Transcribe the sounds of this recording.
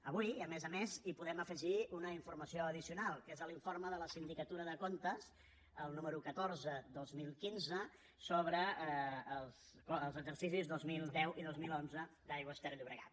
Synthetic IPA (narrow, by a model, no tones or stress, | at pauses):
əβuiəmezəmezipuðɛməfəʒiunəiɱfurməsioəðisiunalˠkezəliɱforməðələsind̪ikət̪uɾəðəkont̪əs | əlˠnuməɾukət̪orzəd̪ozmilˠkinzə | soβɾəː | lˠs | koəlˠzəɡzərsisizðozmilˠd̪ɛwʔiðozmilˠonzəd̪ajɣwəst̪ɛɾʎuβɾəɣa̰t̪